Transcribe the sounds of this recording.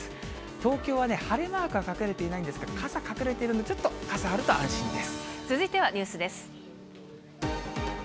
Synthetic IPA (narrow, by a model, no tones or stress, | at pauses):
t̪o̞ːkʲo̞ːβane̞haɾemaːkɯ̟ɡakakɯ̟ɾe̞t̪e̞inaĩnd̪esɨ̥ked̪okazakakɯ̟ɾe̞t̪e̞iɾɯ̟noot͡ɕot̪ːo̞kazaːɾɯt̪oã̰ɰ̃ɕĩnd̪e̞sɨ̥t͡sɨzɨit̪e̞β̞aɲ̟ʲɨːsɨd̪e̞sɨ̥